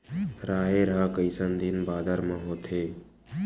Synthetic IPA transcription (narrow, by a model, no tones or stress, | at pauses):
ɾaːɦeːɾakəɪsənd̪inbaːd̪əɾmãːɦoːt̪ʰeː